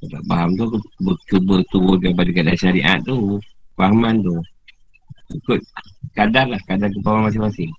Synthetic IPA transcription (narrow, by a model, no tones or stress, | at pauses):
kat̪a̰ʔpaɦamt̪ukbət͡ʃubət̪uʊn̚kaip̬adəkadarʃaɾiʔa̰ʔt̪ːufahmant̪̬u | ikʊt̪̚kadarlahkadark̬əpawamas̬imasɪŋ